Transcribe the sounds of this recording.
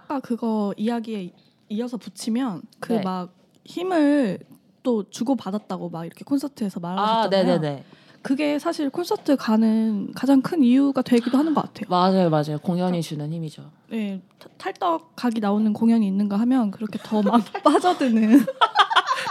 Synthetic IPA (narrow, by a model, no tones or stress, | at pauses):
ak͈akɯɡʌijaɡie̞ | iʌsʰʌput͡ɕʰimjʌnkɯmak̚ | çimɯɭ | t͈ot͡ɕuɡopadat̚t͈aɡomaɡiɾʌkʰe̞kʰonsʰʌtʰɯe̞sʰʌmaɾad͡ʑʌne̞nene̞ | kɯɡe̞sʰaɕʰiɭkʰonsʰʌtʰɯkanɯnkad͡ʑaŋkʰɯnijuɡatwe̞ɡidoɦanɯnɡʌk͈atʰe̞jomad͡ʑajomad͡ʑajokoŋjʌɲit͡ɕunɯnɦçimid͡ʑo | ne̞ | tʰaɭt͈ʌk̚k͈aɡinaonɯnkoŋjʌɲiːnːɯnɡaɦamjʌnkɯɾʌkʰe̞tʌmakp͈ad͡ʑʌdwenɯn